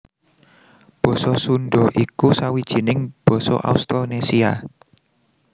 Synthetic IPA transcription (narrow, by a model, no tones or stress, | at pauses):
b̥ɔ̤sɔsunɖɔʔikusawid̥ʒ̥i̤nɪŋb̥ɔ̤sɔ̰ʔa̰ust̪ɔnesia